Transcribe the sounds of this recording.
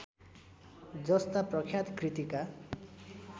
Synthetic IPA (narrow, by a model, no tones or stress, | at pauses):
d͡zʌst̪aprʌkʰjat̪krit̪ika